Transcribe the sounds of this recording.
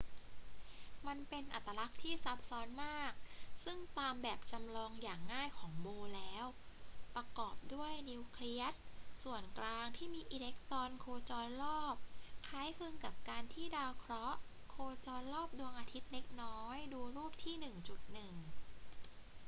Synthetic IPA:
ma˧npe˧nʔa̰˨˩t̪ːa˧la˦˥k̚t̪ʰiː˥˩sa˦˥p̚sɔː˦˥nmaː˥˩k̚sɯ˥˩ŋt̪aː˧mbɛː˨˩p̚t͡ɕa˧mlɔː˧ŋjaː˨˩ŋːaː˥˩jkʰɔː˩˦ŋboː˧lɛː˦˥wpɾa˧kɔː˨˩p̚du˥˩əjni˧wkʰli˦˥ət̪̚su˨˩ənklaː˧ŋt̪ʰiː˥˩miː˧ʔiː˧le˦˥k̚t̪ɔː˧nkʰoː˧t͡ɕɔː˧nlɔː˥˩p̚kʰaː˦˥jkʰɯ˧ŋka˨˩p̚kaː˧nt̪ʰiː˥˩daː˧wkʰɾɔ˦˥ʔ | kʰoː˧t͡ɕɔː˧nlɔː˥˩p̚du˧əŋʔaː˧t̪ʰi˦˥t̪̚ne˦˥k̚nɔː˦˥jduː˧ɾuː˥˩p̚t̪ʰiː˥˩nɯ˨˩ŋt͡ɕu˨˩t̪̚nɯ˨˩ŋ

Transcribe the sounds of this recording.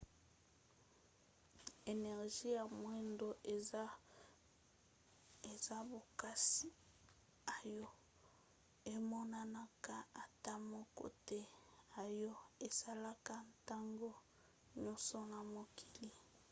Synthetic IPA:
e˨nɛ˨ʁʒi˦ja˨mwɛ˦ndo˦ | e˨za˦bo˨ka˦si˦ | a˨jɔ˦ | e˦mɔ˦na˦na˦ka˦a˨ta˦mɔ˦ko̰˨tɛ˦a˨jɔ˦e˨sa˦la˦ka˦ta˦ŋɡo˦ | ɲɔ˦so˦na˨mo˨kʰi̥˨li˦

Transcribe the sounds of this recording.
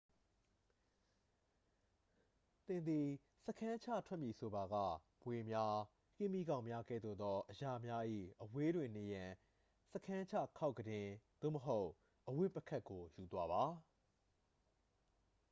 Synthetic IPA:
t̪ɪ̃˨nd̪i˨ | sə˦kʰã˦t͡ɕʰä̰˦˨tʰwɛ˦ʔmji˨so˨ba˨ɡä̰˦˨ | mwe˨mja˦ | kɪ̃˦˨mi˦ɡã˨ʊ̃mja˦ɡɛ̰˦˨d̪o̰˦˨d̪ɔ˦ʔəja˨mja˦ʔḭ˦˨ʔəwe˦dwɪ̃˨ne˨jã˨ | sə˦kʰã˦t͡ɕʰä̰˦˨kʰa˦ʊʔkːədɪ̃˨d̪̥o̰˦˨məɦo˦ʊʔ | ʔəwɪ˦ʔpːə˦kʰa˦ʔkːo˨ju˨t̪wa˦βa˨

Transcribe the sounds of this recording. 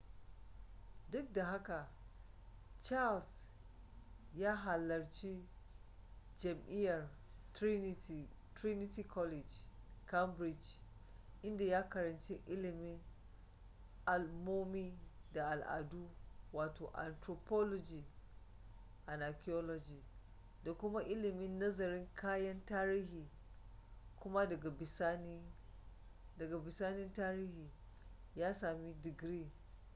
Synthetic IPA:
dʊ˦k̚da˨ɦa˦ka˨ | t͡ʃa˦ls | ja˦ɦa˨lːɐ˨ɾt͡ʃi˦ | d͡ʒɐ˨mʔi˦ja˨ɾ | tɾi˦ni˦ti˦kʰɔ˦li˨d͡ʒka˦mbɾi˨d͡ʒ | ʔi˦nda˨ja˦ka˨ɾa˨nt͡ʃi˦ʔi˦li˨mi˦n | a˨lmo˦mi˦ | da˨ʔa˨lʔa̰˨du˦waː˨toː˨ʔa̰˨ntɾo˨pɔ˦lɔ˦d͡ʒiː˨ | ʔa˨na˨ki˦ɔ˦lɔ˦d͡ʒiː˨ | da˨kʷʊ˦ma˦ʔɪ˦lɪ˨mɪ˦nːɐ˦zɐ˨ɾɪ˦ŋkʰaː˦jɐ˦ntaː˦ɾiː˦ɦiː˨ | kʷʊ˦ma˦dɐ˨ɡa˨bɪ˨saː˦niː˦ | dɐ˨ɡa˨bɪ˨saː˦nɪ˦ntaː˦ɾiː˦hiː˨ | jaː˦saː˨mi˦dɪ˨ɡɾiː˦˨

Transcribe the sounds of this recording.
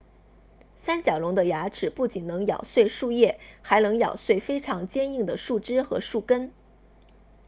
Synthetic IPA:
sa˥nt͡ɕjɑ˨˩ʊlʊ˧˥ŋd̪ə˧ja˧˥ʈ͡ʂʰɻ̩˨˩pu˥˩t͡ɕi˨˩nnɤ˧˥ŋjɑ̰˨˩ʊswe˥˧ɪʂu˥˧jɛ˥˩xa˧˥ɪnɤ˧˥ŋjɑ̰˨˩ʊswe˥˩ɪfe˥ɪʈ͡ʂʰɑ˧˥ŋt͡ɕjɛ˥ni˥˩ŋd̪ə˩ʂu˥˩ʈ͡ʂɻ̩˥xɤ̰˧˥ʂu˥˩kə˥n

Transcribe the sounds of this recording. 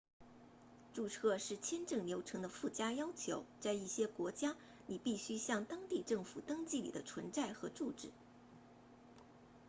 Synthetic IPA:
ʈ͡ʂu˥˧t͡sʰɤ˥˧ʂɻ̩˥˩t͡ɕʰjɛ˥nʈ͡ʂɤ˥˩ŋljo˧˥ʊʈ͡ʂʰɤ˧˥ŋd̪ə˧fu˥˩t͡ɕja˥jɑ˥ʊt͡ɕʰjo˧˥ʊt͡sa˥˧ɪi˥˩ɕjɛ˥kwɔ˧˥t͡ɕja˥ | ni˨˩pi˥˩ɕy˥ɕjɑ˥˩ŋt̪ɑ˥ŋt̪i˥˧ʈ͡ʂɤ˥˩ŋfu˨˩t̪ɤ˥ŋt͡ɕi˥˩li˨˩d̪ə˦t͡sʰwə˧˥nt͡sa˥˩ɪxɤ˧˥ʈ͡ʂu˥˧ʈ͡ʂɻ̩˥˩˦

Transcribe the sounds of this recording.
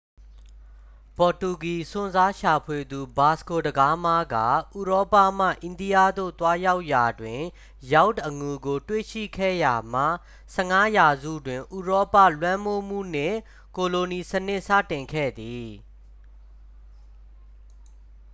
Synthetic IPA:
pɔ˨tu˨ɡi˨sʊ̃˨nza˦ʃa˨pʰwe˨d̪u˨ba˨sko˨dəɡa˦ma˦ɡa̰˦˨ʔu˨ɹɔ˦pa̰˦˨m̥ä̰˦˨ʔɪ̃˨ndi˦ja˦˨d̪o̰˦˨t̪wa˦ja˦ʊʔja˨dwɪ̃˨ | ja˦ʊtʔə˨ŋu˨ɡo˨twḛ˦˨ʃḭ˦˨kʰɛ̰˦˨ja˨m̥a̰˦˨ | sɛ˦˨ŋa˦ja˨zṵ˦˨dwɪ̃˨ʔu˨ɹɔ˦pä̰˦˨lwã˦mo˦m̥ṵ˦˨n̥ɪ̰̃˦˨ | ko˨lo˨ni˨sənɪ˦˨ʔsa̰˦˨tɪ̃˨ŋkʰɛ̰˦˨d̪i˨

